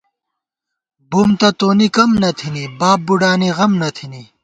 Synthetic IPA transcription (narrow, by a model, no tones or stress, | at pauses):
bumt̪ɐt̪oːnikɐmnɐt̪ʰinibaːb̚ːuɖaːniʁɐmnɐt̪ʰini